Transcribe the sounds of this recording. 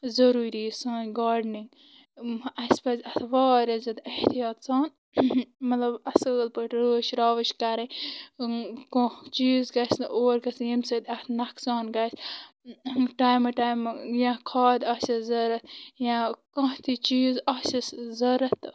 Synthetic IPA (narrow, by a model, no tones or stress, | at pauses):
zɐɾuːɾiːsaːnɡaːɖniŋɡ | ɐspɐzʲɐt̪ʰʋɑːɾɐzɐd̪ɐht̪ijɑːt̪saːn | mɐt̪lɐbɐsəːlpəʈɾəːʃɾaːʋɐʃkɐɾɐ̃ | kõt͡ʃiːzɡɐsnʔoːɾkɐsjimsɐd̪ʲɐt̪ʰnɐksɑːnɡɐs | ʈaːjmɐʈaːjmjãkʰaːd̪ɐsɐzɐɾɐt̪̚jãkɐ̃ht̪ʰit͡ʃiːzɐsɐszɐɾɐt̪